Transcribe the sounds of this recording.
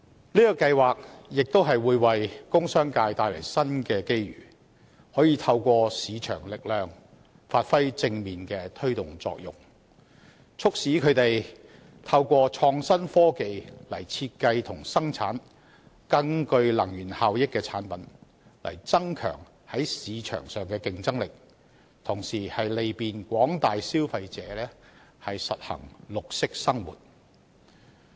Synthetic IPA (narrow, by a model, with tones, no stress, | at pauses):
liː˥kɔ˧kɐ˧jwaː˨k̚jɪ˨k̚t̪o˥wɦɐ˨jwuː˨˧jwɐ˨jkʊ˥ŋsœː˥ŋkaː˧jt̪aː˧jlɐ̰˨˩jsɐ˥nkɛː˧ke˥jɥy̰ː˨˩ | hɔː˨˥jiː˧t̪ʰɐ˧wkʷɔː˧siː˨˧t͡ʃʰœ̰ː˨˩ŋlɪ˨k̚lœː˨ŋ | faː˧t̚fɐ˥jt͡sɪ˧ŋmiː˨nkɛː˧t̪ʰɵ˥ɥt̪ʊ˨˩ŋt͡sɔ̰ː˧k̚jʊ̰˨ŋ | t͡sʰʊ˥k̚siː˨˥kʰɵ˨˧ɥt̪e˨j | t̪ʰɐ˧wkʷɔː˧t͡ʃʰɔː˧ŋsɐ˥nfɔː˥ke˨jlɐ˨˩jt͡sʰiː˧t̚kɐ˧jt̪ʰʊ˨˩ŋsɐ˥ŋt͡sʰa̰ː˨˥n | kɐ˧ŋkɵ˧ɥlɐ˨˩ŋjyː˨˩nhaː˨˧wjɪ˥kːɛː˧t͡sʰaː˨˥npɐ˨˥n | lɐ̰˨˩jt͡sɐ˥ŋkʰœ̰ː˨˩ŋ | hɐ˨˥jsiː˨˧t͡ʃʰœ̰ː˨˩ŋsœː˨˩ŋkɛː˧kɪ˨ŋt͡sɐ˥ŋlɪ˨k̚ | t̪ʰʊ˨˩ŋsiː˨˩hɐ˨jle˨˧jpiː˨nkʷɔː˨˥ŋt̪aː˨jsiː˥wfɐ˧jt͡sɛː˨˧˦lɛː˥ | hɐ˨jsɐ˨t̚hɐ̰˨˩ŋlʊ˨k̚sɪ˥k̚sɐ˥ŋwṵː˨t̚